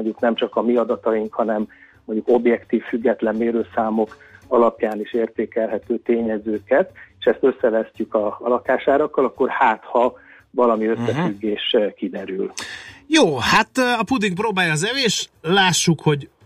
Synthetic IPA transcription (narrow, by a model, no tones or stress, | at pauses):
oɟuknɛmt͡ʃɒkɒmiɒd̪ɒt̪ɒjiŋkhɒnɛm | moɲɟuko̞bjɛkt̪iːfːyɡːɛt̪lɛmːeːɾøːsaːmo̞k | ɒlɒpjaːniʃeːrt̪eːkɛlɦɛt̪øːt̪eːɲɛzøːkɛt̪eːʃɛst̪ø̞sːɛvɛscykɒɒlɒkaːʃaːɾɒkːɒlɒkːo̞rhaːt̪hɒ | vɒlɒmiøssːɛfyɡːeːʃkid̪ɛɾyljoːhat̪ɒpud̪iŋproːbaːjɒːzɛleːʃlaːʃːukho̞ɟ